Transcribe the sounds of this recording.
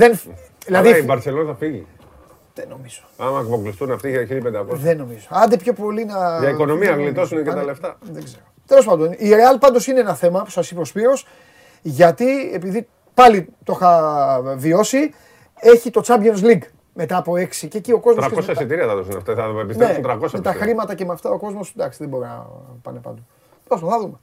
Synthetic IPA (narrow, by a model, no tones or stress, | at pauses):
ðenðilɐðiibɐɾselonθɐfiʝi | ðeno̞mizo̥ɐmɐkpoklist̪unɐft̪iʝeɐçilipend̪ɐkoðeno̞mizoɐnd̪epço̞po̞linɐʝɐiko̞nomiɐɣlit̪osunecet̪ɐleft̪ɐðeɡzeɾot̪e̞lospɐnd̪o̞niɾeɐlpɐnd̪o̞sineenɐθe̞mɐpu̥sɐsipospiɾo̞s | ʝɐt̪ie̞piði | pɐlit̪o̞xɐvio̞si | e̞çit̪o̞t͡sɐbʝons̬liɡ | me̞t̪ɐːpo̞e̞ksicecio̞ko̞zmɾɐosɐssit̪iɾiɐθɐðosunɐ̰ft̪ɐɐepist̪ɾesnt̪ɾɐkosɐet̪ɐxɾimɐt̪ɐce̞mɐft̪ɐo̞ko̞zmo̞sd̪ɐksiðebo̞ɾinɐ̰pɐ̰nepɐ̰nd̪o | t̪osoθɐðume